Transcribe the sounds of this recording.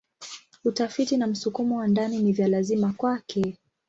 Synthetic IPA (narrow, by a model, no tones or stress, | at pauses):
utafitinam̩sukumɔwandaninivjalazimakwakɛ